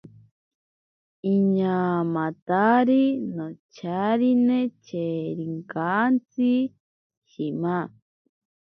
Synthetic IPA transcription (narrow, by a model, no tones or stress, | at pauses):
iɲaːmãt̪aɾinot͡ʃʰaɾinẽt͡ʃeɾiŋkant͡si | ʃimã